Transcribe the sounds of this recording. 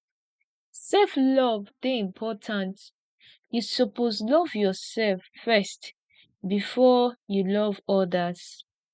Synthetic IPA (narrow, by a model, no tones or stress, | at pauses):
sɛlflɔvðeĩmpʰɔtʰãnt | jusɔposlɔvjɔsɛlfːɛst | bifɔjulɔvɔdəz̥